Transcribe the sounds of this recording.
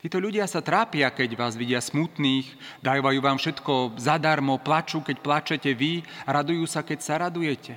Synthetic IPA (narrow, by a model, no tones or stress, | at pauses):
t̪iːt̪ɔʎuɟɪasat̪ɾaːpɪakɛɟʋaːzʋiɟɪasmut̪niːxd̪ajɔʋajuːʋaːmfʃɛt̪kɔzad̪aɾmɔplat͡ʃuːkɛcplat͡ʃɛcɛʋiaɾad̪ujuːsakɛcsaɾad̪ujɛcɛ